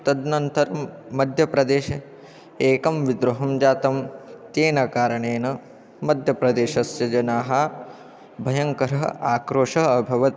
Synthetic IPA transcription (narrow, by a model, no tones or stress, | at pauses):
t̪ɐd̪nɐnt̪ɐɾmɐd̪ʱjɐpɾɐd̪eːʃɐ | eːkɐmʋid̪ɾuɦɐmd͡ʒaːt̪ɐmt̪eːnɐkaːɾɐɳeːnɐ | mɐd̪ʱjɐpɾɐd̪eːʃɐsjɐd͡ʒɐnaːɦɐ | bʱɐjɐŋkɐɾɐɦɐ̰aːkɾoːʂɐɐbʱɐʋɐt̪